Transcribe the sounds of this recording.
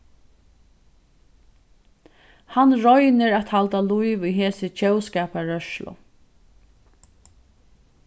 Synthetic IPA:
hanɹɔjnɪɹat̪halt̪alujʋʊjɦeːsɪt͡ʃɛwskɛːpaɹœʃlʊ̰

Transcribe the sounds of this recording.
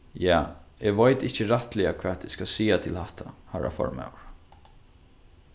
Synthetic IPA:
jaːɛʋaɪt̪ɪhcəɾaht̪lɪakʰvaːt̪ɪskasiːat̪ʰɪlhaht̪ʰahaɾʔa̰fɔ̰ɹmɛ̰wɹ

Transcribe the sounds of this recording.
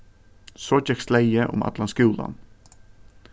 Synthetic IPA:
soːt͡ʃɛkslæɪəʔʊ̰mɑ̰t̪lɑnskʉːlɑ̰n

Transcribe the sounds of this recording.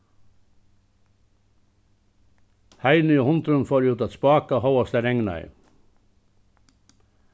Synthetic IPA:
hæɪnʏoːhʊnt̪ɾʉnfoːɾjʉːt̪ɑt̪spɑːkɑhɑʊɑst̪əɾɛŋnɑ̰ɪ

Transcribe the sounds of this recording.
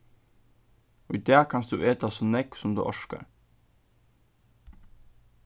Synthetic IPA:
oːid̪eːkʰɑnsd̪ʉːʔeːt̪ɑsɔnɛksɔmd̪ʉ̰ːʔɔʃkə̰ɾ

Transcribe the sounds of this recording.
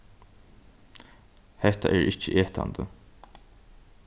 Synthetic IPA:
hɛht̪aʔæːɹʔɪt͡ʃːəʔeːht̪ʰa̰nd̪ə

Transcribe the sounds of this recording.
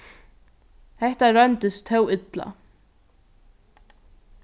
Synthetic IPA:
hɛht̪aɾœnt̪ɪst̪ʰːœwɪt̪la̰

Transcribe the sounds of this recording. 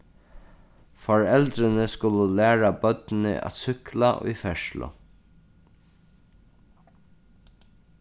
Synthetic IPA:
fɔɹɛlt̪ɾɪnəskʊləlæːɹabœt̪nɪ̰ʔa̰t̪sʏkla̰ʔʊ̰jfɛʂlʊ̰

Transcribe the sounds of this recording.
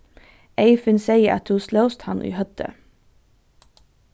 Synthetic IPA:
ʔeɪfənseɪəʔɑ̰t̪huːsləʊst̪hɑnʔḭːhœt̪ʰə̰

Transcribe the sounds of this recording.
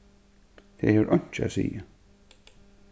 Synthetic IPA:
θɛðhɛvʏɾʔœɥɲ̥t͡ɕɪa̰sḭːja

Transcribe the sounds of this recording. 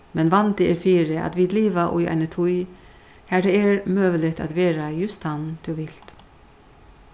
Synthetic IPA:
mɛnʋɑnd̪ɪɛɾfiːɾəʔɑ̰t̪ʋiːd̪liːʋaʔʊ̰jæ̰ɪnət̪ʰʊj | hæːɖ̪eːɛɹmøːʋəlɪt̪ʰa̰ːt̪ʋeːɾajʉst̪ɑnd̪̥ʉːʋɪl̥t̪

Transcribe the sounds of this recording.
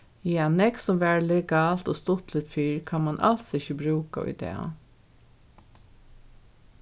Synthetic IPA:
jɛanɛksɔmʋæːɹlɛɡɑːlt̪oːst̪ʊt̪lɪt̪fiːɹkʰanmanʔa̰lsɪçəbɾʉːka̰ʏ̰d̪ɛ̰ːa̰

